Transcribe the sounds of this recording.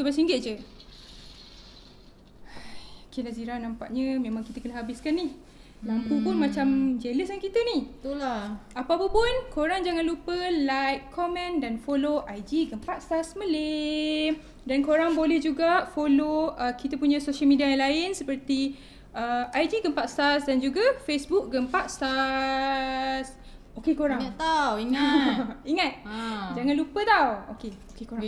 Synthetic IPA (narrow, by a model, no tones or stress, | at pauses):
t̪ubasiŋɡɪt̪̚d͡ʒə | kilaziɾahnãmpa̰ʔɲəmẽmãŋkit̪əkənəɦabɪskanːih | lampupunmat͡ʃamd͡ʒeləsankit̪əniht̪ulapaapəpʊnkoɾaŋd͡ʒaŋanlupəlajkʰːɔmɛ̃ndanfoloʔajd͡ʒiɡəmpaʔsasməlem | dankoɾaŋbolɛhd͡ʒuɡafoloəkit̪apuɲãsoʃəlmidiajanlaɪnsəpərt̪i | əajd͡ʒiɡəmpaʔst̪asdand͡ʒuɡafesbuk̚ɡəmpaʔst̪a | s | okekoɾaŋt̪aiŋ | iŋat̪̚d͡ʒaŋãnlupət̪awokeokekoa